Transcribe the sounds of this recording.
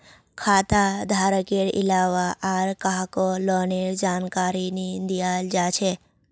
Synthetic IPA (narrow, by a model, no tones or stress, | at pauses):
kʰat̪ad̪ʱaɾəkeɽɪ̰laʋaʔaɾkaɦkolɔneɾd͡ʒankaɾinid̪ijald͡ʒat͡ʃʰe